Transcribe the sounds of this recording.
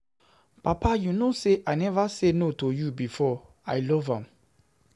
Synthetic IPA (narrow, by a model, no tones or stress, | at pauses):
pʰapʰajunoseʔajnɛvasenotʰojubifɔ | aɪlɔvãm